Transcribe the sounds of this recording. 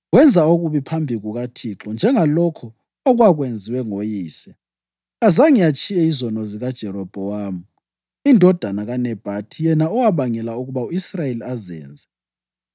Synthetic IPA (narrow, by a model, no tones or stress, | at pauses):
ɣwɛnd͡zʱaoɣuβipʰambʱiɣuɣatʰiǁɔnd͡ʒʱɛŋalɔkʰɔ | ɔɣwaɣwend͡zʱiwɛŋojiːsɛ | azaŋijat͡ʃʼijɛizɔnɔziɣad̥ʒ̥ʱɛɾɔb̥ʱɔwaːmu | indʱɔd̥ʱanaɣanɛb̥ʱatʰijɛnaɔwaβaŋɛlauɣuβauisrajeliazɛ̰ːnd͡zʱɛ